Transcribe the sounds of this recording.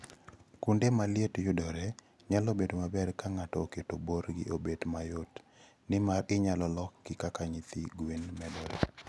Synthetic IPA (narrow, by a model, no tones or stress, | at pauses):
kundemalɪetjʊdɔɾe | ɲalobedomabɛrkaŋatɔketoboɾɡɪ̰ʔobedmajot | nɪmaɾɪɲalɔlɔkːɪkakaɲit̪iɡwinmɛdɔɾḛ